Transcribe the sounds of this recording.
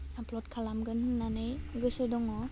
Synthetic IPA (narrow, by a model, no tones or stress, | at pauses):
aplɔt̚kʰalamɡɯnhɯnːanɯjɡɯsɯdɔŋɔ